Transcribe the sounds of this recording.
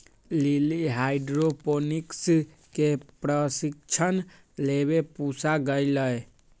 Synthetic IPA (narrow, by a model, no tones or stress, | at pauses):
liliɦajɖɾoponiks | kepɾəsikt͡ʃʰən | leβepusaɡəjləj